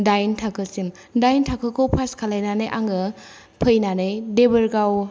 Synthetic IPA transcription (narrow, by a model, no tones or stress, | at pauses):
dajntʰakʰɯsim | dajntʰakʰɯkʰowpʰaskʰalajnanɯjʔaŋɯ | pʰɯjnanɯjdebəɾɡaw